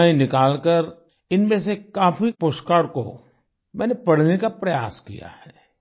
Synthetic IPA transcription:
ĩnɪkaːlkəɾ | ɪnmẽsekaːfipoʃkaːɽko̰ | mɛ̃ːnepɐɽ̤nekapɾɐja̰ːskḭja̰hɛː

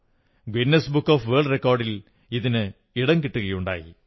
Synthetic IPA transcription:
ɡwinːɐsbukːoːfʋeːɭɖrekːoːrɖil | iðinɨ | iɽɐŋkiʈːuɣɐjuɳɖa̰ːjḭ

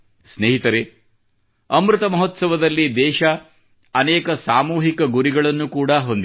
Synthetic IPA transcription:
sneːɦit̪ɐɾe | ɐmɾut̪ɐmɐɦot̪sɐʋɐd̪ɐlːid̪ɛːʃɐ | ɐnɛːkɐsaːmuːɦikɐɡuɾiɡɐɭɐnːukuːɽɐɦo̞nd̪i

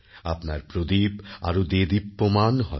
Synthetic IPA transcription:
apnaɾpɾod̪ipa̰ɾod̪ed̪ipːomanɦɔ̰

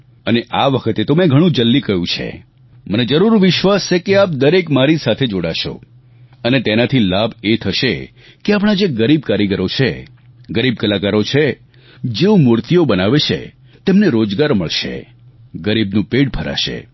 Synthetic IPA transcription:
əneʔaʋəkʰət̪et̪omɛ̃ɡʱəɽ̃ũd͡ʒəlːikəɦjũt͡ʃʰḛ | məned͡ʒəɾuɾʋɪʃʋast͡ʃekeap̚d̪əɾekmaɾisat̪ʰed͡ʒoɽaʃo̰ | ənet̪enat̪ʰilabet̪ʰəʃe | keapɳ̃ad͡ʒeɡəɾib̚kaɾiɡəɾot͡ʃʰe | ɡəɾib̚kəlakaɾot͡ʃʰe | d͡ʒeõmʊɾt̪ijobənaʋet͡ʃʰḛ | t̪emneɾod͡ʒɡaɾməɭʃḛ | ɡəɾibnũpeʈbʱəɾa̰ʃḛ

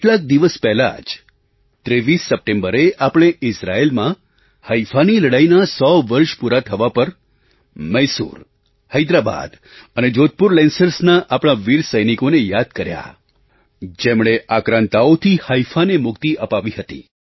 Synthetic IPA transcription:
keʈlak̚d̪iʋəspɛɦla̰d͡ʒ | t̪ɾeʋisːəp̚ʈẽmbəɾeapɽ̃eʔɪsɾaelmã | həifaniləɽajnasɔʋəɾʃpuɾat̪ʰəʋapəɾ | məsṵɾ | həjd̪ɾaba̰d̪ | əned͡ʒot̪̚puɾlɛnsəɾsnaʔapɽ̃aʋiɾsəjnikonejad̪̚kəɾja̰ | d͡ʒemɳ̃eʔakɾãnt̪aot̪ʰihaifanemʊkt̪iʔəpaʋiɦət̪ḭ

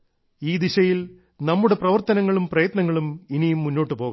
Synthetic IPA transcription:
iːd̪iɕɐjil | nɐmːuɽe̞prɐʋɐrt̪ɐnɐŋːɐɭumprɐjɐt̪nɐŋːɐɭuminijumːunːo̞ːʈːɨpo̞ːɣɐ

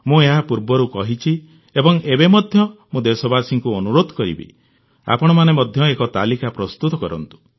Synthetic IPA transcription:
mũeɦapuɾbɔɾukɔɦit͡ʃʰi | ebɔŋebemɔd̪ʱjɔmũd̪esɔbasiŋkuɔnuɾod̪ʱɔkɔɾḭbḭ | a̰pɔɽ̃ɔmanemɔd̪ʱjɔekɔt̪alikapɾɔst̪ut̪ɔkɔɾɔ̰nt̪u̥

